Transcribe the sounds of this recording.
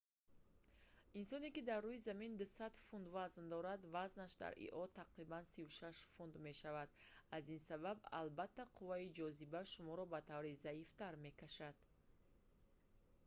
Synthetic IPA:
insɔnekid̪arːuizamind̪usad̪fund̪vaznd̪ɔɾad̪vaznaʃd̪a̰ɾḭʔɔt̪ʰaqɾibansivuʃaʃfund̪me̞ʃavad̪azinsababa̰lbat̪ʰːaqʰuvaid͡ʒɔzibaʃumɔɾɔbat̪ʰavɾizaift̪aɾme̞kʰaʃad̪̥

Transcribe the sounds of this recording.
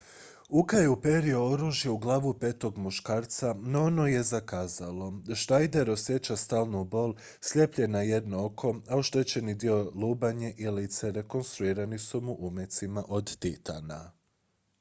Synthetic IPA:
ukajeupe̞ɾiooɾuːʒjeuɡlˠaːʋupe̞ːt̪o̞ɡmuʃkaːɾt̪sanoono̞je̞zakaːzalo̞ʃnajd̪e̞ɾo̞sje̞t͡ɕast̪aːlˠnubo̞lˠ | sʎe̞pʎenaje̞d̪nookʰo̞aoʃt̪e̞t͡ɕe̞nid̪io̞lˠuːbaɲeʔilit̪seɾe̞ko̞nst̪ɾuiːɾanisumuʔumje̞t̪simaʔo̞d̪t̪it̪a̰na

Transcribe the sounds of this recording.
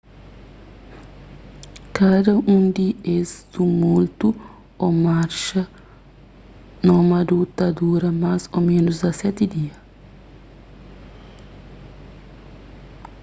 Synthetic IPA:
kad̪ɐũnd̪iest̪umult̪u | ɔmaɾʃɐ | nɐmɐd̪ut̪ɐd̪uɾɐmazomẽnʊzɐsɛt̪ɪd̪iɐ

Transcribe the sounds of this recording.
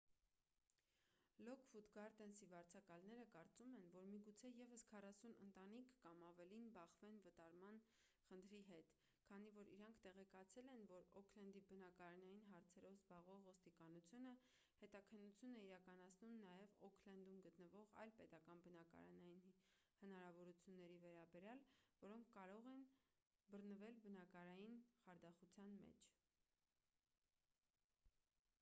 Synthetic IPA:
lɔkʰfut̪ɡɑɾt̪ɛnsivɑɾt͡sʰɑkɑlnɛɾəkɑɾt͡sumɛnvɔɾmiɡut͡sʰɛjɛvəskʰɑrɑsunə̰nt̪ɑnikʰːɑmɑvɛlinbɑχvɛnvət̪ɑɾmɑn | χənt̪ʰɾiɦɛt̪ | kʰɑnivɔɾḭɾɑŋkʰt̪ɛʁɛkɑt͡sʰɛlɛnvɔɾɔkʰlɛnd̪ibənɑkɑɾɑnɑjinɦɑɾt͡sʰɛɾɔvzbɑʁvɔʁvɔst̪ikɑnut͡sʰjunə | hɛt̪ɑkʰənːut͡sʰjunɛiɾɑkɑnɑt͡sʰnumnɑjɛvɔkʰlɛnd̪umɡət̪nəvɔʁɑ̰jlpɛt̪ɑkɑnbənɑkɑ̰ɾɑ̰nɑjin | hənɑɾɑvɔɾut͡sʰjunːɛɾivɛɾɑbɛɾjɑlvɔɾɔŋkʰːɑɾɔʁɛnbərnəvɛlbənɑkɑɾɑjinχɑɾd̪ɑχut͡sʰjɑnmɛ̰t͡ʃʰ

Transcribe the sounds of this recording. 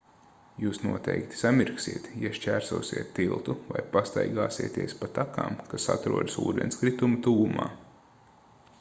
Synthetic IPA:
juːsnuɔt̪ɛ̰jkt̪i̥samiɾksiɛt̪jaʃt͡ʃæːɾsṵːsʲiɛt̪ːilˠt̪uvajpast̪a̰jɡaːsiɛt̪eɛːspat̪aka̰ːmkasa̰t̪ɾuɔd̪sṵːd̪ɛnskɾit̪umut̪uɡuma̰ː

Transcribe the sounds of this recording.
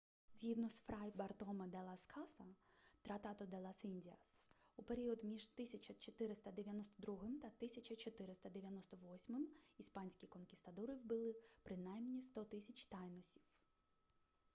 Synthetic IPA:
zʲɦʲid̪nɔsfɾɑjbɐrt̪ɔmɐd̪ɛlˠɐskʰɑsɐt̪ɾɐt̪ɑt̪ɔd̪ɛlˠɐsinʲdʲiɐ̰s | upeɾʲiɔd̪mʲiʒt̪ɪsʲɐt͡ʃɐt͡ʃɔt̪ɪɾɪst̪ɐd̪eʋʲjɐnɔst̪ɔd̪ɾuɦɪmt̪ɐt̪ɪsʲɐt͡ʃʲɐt͡ʃɔt̪ɪɾɪst̪ɐd̪eʋʲjɐnɔst̪ɔʋɔsʲmɪmispɑnʲsʲkʲikɔnkʲɪst̪ɐd̪uɾɪwbɪlˠɪpɾɪnɑjmnʲist̪ɔt̪ɪsʲɐt͡ʃt̪ɑjnɔsʲi̥w

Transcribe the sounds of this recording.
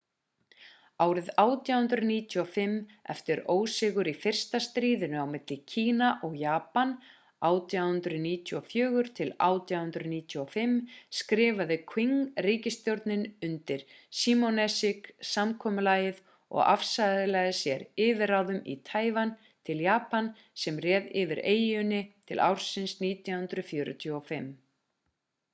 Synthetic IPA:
aːwɾɪðaːwt̪jawhʏnd̪ɾʏniːt̪ʰjuɔfɪmːɛ̰ft̪ɪɾoːwsɪɣʏɾifɪr̥st̪ast̪ɾiːðʏnʏawmɪt̪lɪcʰiːnaʔɔɣjaːpan | aːwt̪jawhʏnt̪ɾʏniːt̪ʰjuɔfjœːɣʏɾ̥t̪ʰɪla̰ːwt̪jawhʏnt̪ɾʏniːt̪ʰjuɔfɪmskɾɪːvaðɪkʰviŋriːcɪst̪jowɾt̪nɪnʏnt̪ɪɾ̥siːmonɛsɪksamkʰɔːmʏlaːjɪð | ɔ̰ɣa̰fsajðɪlɛɣðɪsjɛɾɪːvɪɾawðʏmḭt̪ʰaːjvan | t̪ʰɪljaːpan | sɛmrɛːðɪvɪɾeːjʏnɪt̪ʰɪlʔa̰wɾ̥sɪnsniːt̪ʰjahʏnd̪ɾʏfjʏːɾʏ̰t̪ʰuɔfɪm

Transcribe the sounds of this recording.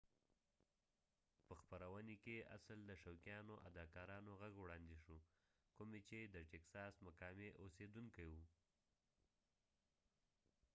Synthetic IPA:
pəxpaɾawənekea̰sld̪əʃawkjɑnoʔa̰d̪ɑkɑɾɑnoɣaɡwɽɑnd̪eʃu | kumet͡ʃed̪əʈeksɑsmakɑmeʔosed̪uŋkajwu

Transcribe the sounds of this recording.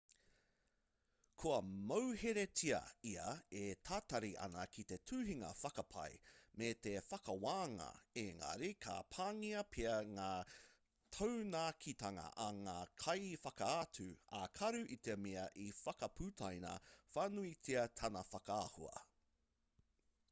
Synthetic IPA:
kʰuɐmowheɾetʰiɐ̰iɐetʰaːt̪ɐɾiʔɐ̰nɐkʰit̪e̞tʰʉːɦiŋɐ̰fɐkɐpʰɐ̰jmet̪efɐkɐwaːŋɐ̰eŋɐ̰ɾikʰa̰pʰaːŋiɐpʰeɐŋaː | tʰownakʰit̪ɐŋɐ̰ʔɐŋaːkʰɐjfɐkɐatʉa̰kʰɐɾʉʔit̪emeɐʔifɐkɐpʰʉtʰajnɐ̰fanuit͡sʰiɐtʰɐnɐfɐkɐahuɐ̰

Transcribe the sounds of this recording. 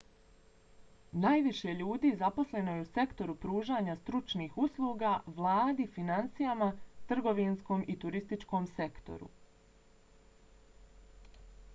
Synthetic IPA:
naːjʋiʃe̞ʎuːd̪iːzaposle̞no̞jeuse̞kt̪o̞ɾupɾuːʒaːɲast̪ɾut͡ʃniːxuslˠuːɡaʋlˠaːd̪ifinant̪sijamat̪r̩ɡo̞ʋinsko̞ːmʔit̪uɾist̪it͡ʃko̞ːmse̞kt̪o̰ɾṵ

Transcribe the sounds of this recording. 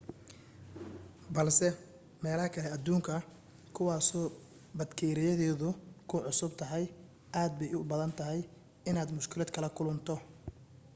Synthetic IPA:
bɐlsɛ | mɛːlɐhɐkʰɐlɛɐd̪uːŋkʰɐ | kʰʊwɑːsɔː | bɐd̪kʰɛːɾɪjɐðɛːðʊkʰʊʕʊsʊb̚t̪ʰɐɦɛj | ʔaːd̪̚bɛjʊbɐðɐnt̪ʰɐɦɛj | ɪnaːd̪mʊʃkʰɪlɛːd̪kʰɐlɐkʰʊlʊnt̪ʰɔ

